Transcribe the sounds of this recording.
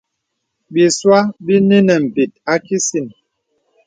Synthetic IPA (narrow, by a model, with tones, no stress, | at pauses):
bi˨swa˦bi˦ni˦nɛ˨m̩˨pi˨t̚a˦ki˦si˨n